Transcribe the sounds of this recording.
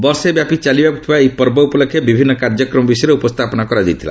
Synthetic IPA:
bɔɾsebjapit͡ʃalibaku̥t̪ʰibaejpɔɾbɔupɔlokʰːjebibʱinːɔkaɾd͡ʒɔkɾɔmɔbisɔjɾeupɔst̪ʰapɔnakɔɾad͡ʒajt̪ʰila̰

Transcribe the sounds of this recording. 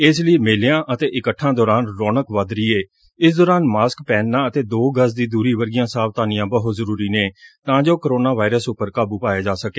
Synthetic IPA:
ɪsləiːmeːleãːʔət̪eːʔɪkəʈʰːãːd̪ɔːɾaːnɾɔːnəkʋad̪ɾiːeː | ɪsd̪ɔːɾaːnmaːskpɛːnːãːət̪eːd̪oːɡəs̬d̪iːd̪uːɾiːʋəɾɡɪjãːsaːʋt̪aːnɪjãːbəɦozəɾuːɾiːneːt̪ãːd͡ʒoːkəɾoːnaːʋaːɪɾəsʊpːəɾkaːbuːpaːeːd͡ʒaːsəkeː

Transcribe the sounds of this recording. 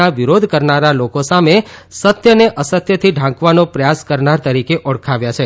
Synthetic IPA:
aʋiɾod̪ʱkəɾnaɾalokosamesət̪jəneʔəsət̪jət̪ʰiɖʱãkʋanõpɾəjaskəɾnaɾt̪əɾikeʔɔɽkʰaʋjat͡ʃʰe

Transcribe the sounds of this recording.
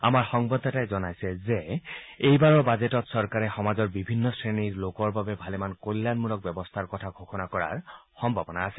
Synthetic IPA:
amaɹxɔŋbɔd̪ʱːɔtajzɔnajsɛzeejbaɹɔbazetɔtsɔɹkaɹɛxɔmazɔɹbibʱinːɔsɹeniɹlokɔɹbabɛbʱalemankojlːanmulɔk̚bɛbɔst̪ʰaɹkɔtʰaɡʱoxɔnakɔɹa̰ɹxɔmbʱabɔnaːsɛ

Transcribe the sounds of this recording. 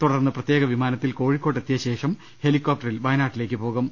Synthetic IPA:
t̪uɽɐrnːɨprɐt̪je̞ːɣɐʋimaːnɐt̪ːilko̞ːɻikːo̞ːʈːet̪ːijɐɕe̞ːʂɐm | he̞likːoːp̚ʈːɐrilʋɐjnaːʈːile̞ːkːɨpo̞ːɣɐm

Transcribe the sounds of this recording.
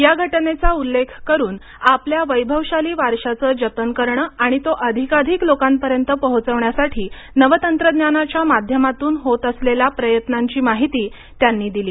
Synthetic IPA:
jaɡʱəʈnet͡saulːekʰkəɾuːn | apljaʋəjbʱəʋɕaliːʋaɾɕat͡səːd͡ʑət̪ənkəɾɳəːaɽ̃it̪oʔəd̪ʱikad̪ʱiklokampəɾjənt̪əpəɦut͡səʋɳjasaʈʰiː | nəʋət̪ənt̪ɾəd̪janat͡ɕjamad̪ʱjəmat̪uːnɦot̪əslelapɾəjət̪naɲt͡ɕiːmaɦit̪iː | t̪janːiːd̪iliː

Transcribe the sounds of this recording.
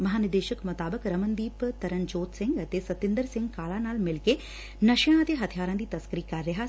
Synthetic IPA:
mɐɦaːnɪd̪eːʃəkmɐt̪aːbəkɾɐmənd̪iːpt̪ɐɾənd͡ʒoːt̪sɪ̃ŋɡt̪esɐt̪ɪ̃nd̪əɾsɪ̃ŋɡkaːlaːnaːlmɪlke | nɐʃjãd̪eːɦɐt̪ʰijaːɾãːd̪iːt̪ɐskɾiːkɐɾːeɦaː

